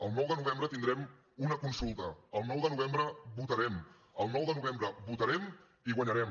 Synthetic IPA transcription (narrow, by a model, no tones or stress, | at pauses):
əlˠnɔwðənuβ̞ɛmbɾət̪ind̪ɾɛm | unəkunsulˠt̪əəlˠnɔwðənuβ̞embɾəbut̪əɾɛm | əlˠnɔwðənuβ̞embɾəβut̪əɾɛm | iɣwaɲəɾɛm